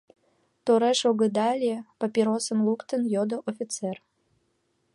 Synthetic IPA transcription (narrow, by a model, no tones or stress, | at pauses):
t̪oɾeʃoɣəd̪ɑlʲepapʲiɾosənlukt̪ənjod̪oʔofʲit̪t͡ser